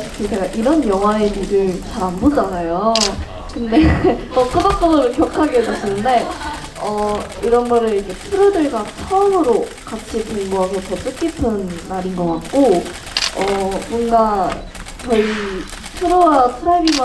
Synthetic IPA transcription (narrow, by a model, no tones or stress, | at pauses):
kʰet͡ɕeɡaʔiɾʌnjʌŋɦae̞niɾɯɭt͡ɕaɾanbod͡ʑanajo | kɯnde̞kʌk͈ɯbak̚k͈ʌnɯɾokjʌkʰaɡesoɕinɯnde̞ | ʌiɾʌnɡʌɾɯɾikʰe̞tʰɯɾodɯɭɡat͡ɕʰʌmɯɾo | kat͡ɕʰipoŋɡoɦasʰʌtʌt͈ɯk͈ipʰɯnːaɾinɡʌk͈at̚k͈o | ʌmonɡa | t͡ɕʌi | sʰɯɾoasʰɯɾaibima